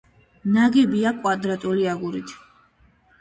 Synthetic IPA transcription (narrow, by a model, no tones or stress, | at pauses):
naɡɛbiakʼwad̪ɾat̪ʼuliaɡuɾit̪ʰ